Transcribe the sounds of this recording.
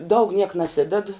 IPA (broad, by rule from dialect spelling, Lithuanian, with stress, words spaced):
dɐʊk nʲiɛk nɐˈsʲɪdʲɛt